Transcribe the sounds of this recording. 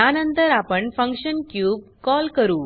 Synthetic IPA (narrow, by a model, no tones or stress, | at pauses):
aːnɐnt̪ɐɾapəɳfɐŋkʂənkjuːb̚kɔːlkɐɾuː